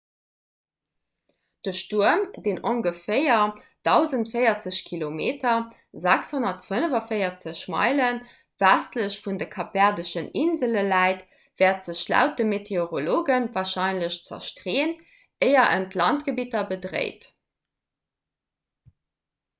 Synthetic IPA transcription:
d̥əʃtuɐəmdeːnʔoŋɡəfeɪɐ | d̥ɑʊzəntfəɪɐt͡səɕkʰilomeːtʰɐ | zækshonɐtfənəvɐfəɪɐt͡səɕmɑ̰ɪlən | v̥æstləɕfundəkʰɑp̚æʁdəʃəninzələlæɪt | v̥ɛːɐtz̥əɕlæ̰ʊt̚dəmetʰeoʁoloːɡənvaːɐʃɑɪnləɕt͡sɐ̰ʃtʀeːn | əɪɐʔə̰ntlɑntɡ̥əbitɐbədʁḛɪt

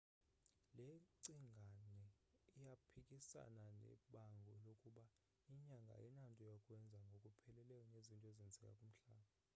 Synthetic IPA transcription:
leǀiŋɡʱanɛ | ijapʰikʼisa̰nanɛ̰ɓaŋɡʱɔlokʼuɓa | iɲaŋɡʱa̰ɛnantʼɔjakʼwɛnd͡zʱaŋɡʱokʼupʰɛlɛlɛjɔnezintʼɔezind͡zʱɛkʼa̰kʼum̩ɬaːɓa

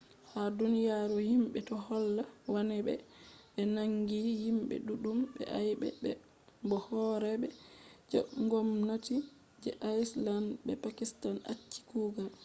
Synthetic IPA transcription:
hadunijaɾɔhimɓɛtɔhɔlːawanɛɓɛ̰ɓɛnaŋɡihimɓɛ̰ɗuɗumɓɛ̰ʔajɓɛ̰ɓɛ | mbɔhɔɾɛɓɛd͡ʒɛʔŋɡɔmnati | d͡ʒɛʔajslandbɛpakistana̰t͡ʃːi̥kuɡal

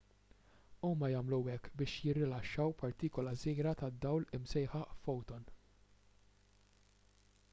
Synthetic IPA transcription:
uːmɐjɐːmluwɛkːbɪːʃjɪrːɪlɐʃːɐwpɐɾt̪iːkɔlɐziːɾɐt̪ɐd̪ːɐwlɪmsɛjħɐʔfɔwt̪ɔn

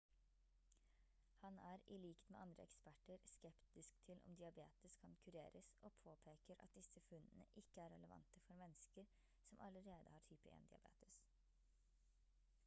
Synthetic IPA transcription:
hɑnæɾɪliːkt̪mɛːʔɑnd̪ɾə̰ɛ̰kspæʈːəɾskɛpt̪ɪskt̪ʰɪlʔɔ̰md̪ɪɑbḛːt̪əskʰɑnkʰʉɾḛːɾəsʔɔːpʰoːpʰeːkəɾʔɑ̰t̪̚d̪ɪsəfʉnːənəʔɪkːəæɾɛləʋɑ̰nt̪əfɔɾmɛnːskəɾ | sɔmʔɑləɾeːd̪əhɑːʈʰyːpəʔḛnd̪ɪ̰ɑ̰bḛːt̪ə̥s

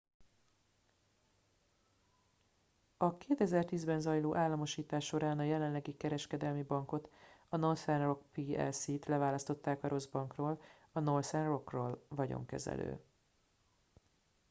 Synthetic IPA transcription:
ɒkeːt̪ɛzɛrt̪iːzbɛnzɒjloːʔaːlːɒmo̞ʃiːt̪aːʃːo̞ɾaːnɒjɛlɛnlːɛɡikɛɾɛʃkɛd̪ɛlmibɒŋko̞t̪ɒno̞rsɛnro̞kpiːɛ̰lsit̪lɛvaːlɒst̪o̞t̪ːaːkɒɾʔo̞zbɒŋkroːl | ɒno̞rsɛnro̞kroːlvɒɟo̞̰ŋkɛ̰zɛ̰lø̰ː

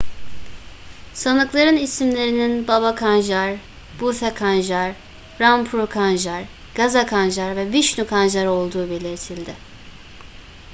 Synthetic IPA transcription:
sanɯklˠaɾɯnisimlʲe̞ɾininbaβakʰanʒaɾ | b̥uθakʰanʒaɾ | ɾampʰɾukʰanʒaɾ | ɡ̥azakʰanʒaɾvɛviʃnukʰanʒaɾo̞lˠd̪uːbe̞lʲiɾt̪ʰilʲd̪ɪ

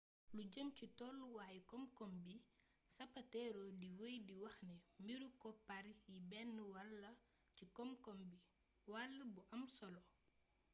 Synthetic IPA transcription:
luɟəmcitɔlːwaːjikɔmkɔmbi | sɐpɐtɛɾɔdiwəjdiwɐxnɛmiɾukɔpaɾjibɛnːəwɐlːɐ | cikɔmkɔmbi | walːɐbuʔɐmsɔlɔ

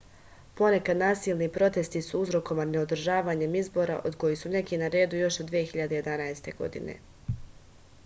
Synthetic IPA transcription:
po̞ne̞kad̪naːsiːlˠnipɾo̞t̪e̞st̪isuuzɾo̞ko̞maneod̪r̩ʒaːʋaːɲe̞mizbo̞ːɾa̰ʔo̞d̪ko̞jisune̞kinaɾe̞ːd̪ujo̞ʃod̪ʋije̞xiʎad̪e̞je̞d̪anaest̪e̞ɡo̞̰d̪ḭnḛ

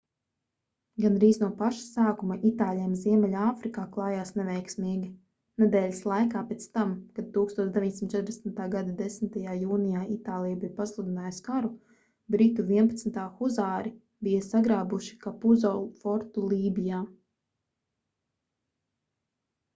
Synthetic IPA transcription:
ɡanɾiːznuɔpaʃḁsaːkumaʔit̪aːlʲijɛmziɛmɛlʲaːfɾikaːklˠaːjaːsnɛvɛjksmiːɡʲi | nɛd̪ɛːlʲislˠajkaːpeːt̪st̪amkad̪̚t̪uːkst̪uɔt̪d̪eviɲsimt̪t͡ʃɛt̪ɾd̪esmt̪aːɡad̪ad̪esmɪt̪ajaːjuːnijaːit̪aːlˠijbijpaslˠud̪inaːjskaɾu | bɾit̪uviɛpat̪snʲt̪aːxuzaːɾi | bijɐsaɡɾaːbuʃi̥kapuzɔlˠfɔɾt̪ulˠiːbijaː

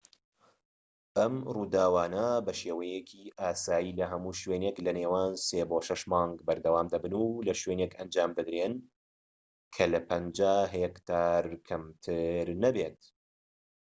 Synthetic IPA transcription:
ʔɐmruːd̪aːwaːnɐbɐʃeːwɐjekʰiʔaːsaːjiːlɐɦɐmuːʃweːneklɐneːwaːnseːboʃɐʃmɑːŋɡbɐɾd̪ɐwaːmd̪ɐbɨnulɐʃweːnekɐnd͡ʒaːmbɨd̪ɾen | kʰɐlɐpʰɐnd͡ʒaːɦekt̪ʰaːɾkʰɐmt̪ʰɨɾnɐbet̪

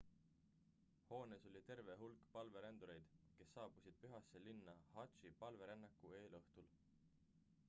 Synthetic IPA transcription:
ho̞ːneso̞lʲit̪e̞rve̞ɦulkˑpɑlve̞ɾend̪uɾe̞jd̪̥ke̞sːɑːb̥usid̪̥̚pyɦɑsːe̞linːɑhɑt̪t͡ʃipɑlve̞ɾenːɑkːˑue̞ːlɤht̪ul

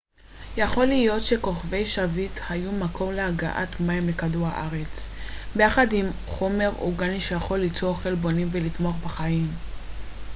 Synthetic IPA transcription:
jaχo̞lijo̞tʃeko̞χve̞jʃavithajumakʰo̞mlehaɡa̰ʔa̰tmajmlekaduʁha̰ʔaʁe̞t͡sbejaχadim | χo̞me̞ʁṵɡaniʃejaχo̞lːit͡soʁχe̞lbo̞nimvelit̪moaχbaχajim

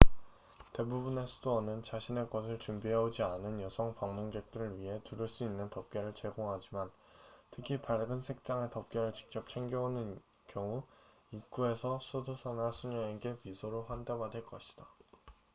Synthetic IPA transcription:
te̞bubune̞sʰudoʌnɯnt͡ɕaɕʰine̞kʌsʰɯɭt͡ɕumbiɦeod͡ʑianɯnjʌsʰʌŋpaŋmunɡe̞k̚t͈ɯɾɯɭɥiɦe̞tuɾɯɭs͈uinːɯntʌp̚k͈e̞ɾɯɭt͡ɕe̞ɡoŋɦad͡ʑiman | tʰɯkʰipaɭɡɯnsʰe̞k̚t͡ɕ͈aŋe̞tʌp̚k͈e̞ɾɯɭt͡ɕi̥k̚t͡ɕ͈ʌp̚t͡ɕʰeŋɡʌonɯn | kjʌŋu | ik͈ue̞sʰʌsʰodosʰanasʰuɲʌeɡe̞pisʰoɾoɸwandebadwe̞ɭk͈ʌɕʰi̥d̥a

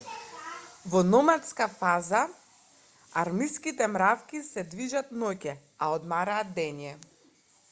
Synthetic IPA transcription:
vɔnɔmat̪skafaza | aɾmiskit̪ɛmɾafkʲisɛd̪viʒat̪nɔcɛ | aɔd̪maɾaːt̪̚d̪ɛnjɛ

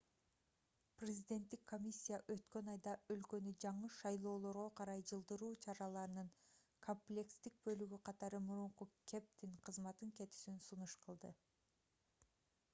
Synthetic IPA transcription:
prʲɪzʲid̪ʲe̞nt̪ːikkːo̞mʲisʲːijaʔø̞t̪kø̞nɑjd̪ɑø̞lkø̞nyd͡ʒɑɴɯʃɑjlˠo̞ːlˠo̞ɾʁo̞qʰɑɾɑjd͡ʒɯlˠd̪ɯɾuːt͡ʃʰɑɾɑlˠɑɾɯnɯŋ | kʰo̞mplʲe̞kst̪ik̚bø̞lyɡyqʰɑt̪ɑɾɯmuɾuɴqukʲʰe̞p̚t̪iɴqʰɯzmɑt̪ɯŋke̞t̪y̥synsunuʃqʰɯlˠd̪ɯ

